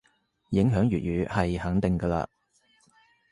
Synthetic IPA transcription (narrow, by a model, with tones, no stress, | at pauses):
jɪ˨˥ŋɦœː˨˥ŋjɥyː˨t̚jyː˨˥hɐ˨jhɐ˨˥ŋt̪ɪ˨ŋɡə˧la̰ː˧